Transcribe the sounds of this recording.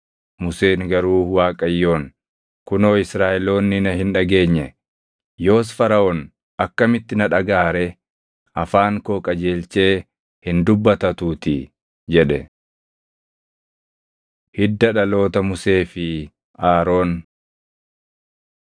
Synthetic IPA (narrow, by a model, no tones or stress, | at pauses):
mʊse̞ːŋɡɐɾuːwaːkʼɐjːo̞ːn | kʊno̞ːɪsɾaːʔɛlo̞ːnːɪnɐɦɪnᶑɐɡe̞ːɲːɛ | jo̞ːs̬fɐɾɐʔon | ɐkːɐmɪt̪ːɪnɐᶑɐɡaːɾɛ | ɐfaːŋkoːkʼɐd͡ʒeːlt͡ʃe̞ː | hɪnd̪ʊbːɐt̪ɐt̪uːt̪ɪ | d͡ʒɛᶑɛ | hɪd̪ːɐᶑɐlo̞ːt̪ɐmʊse̞ːfɪ | aːɾo̞ːn